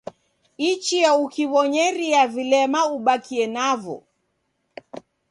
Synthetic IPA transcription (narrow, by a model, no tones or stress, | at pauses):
it͡ʃiaukiβɔɲɛɾiavilɛmauɓakʰiɛnavɔ̰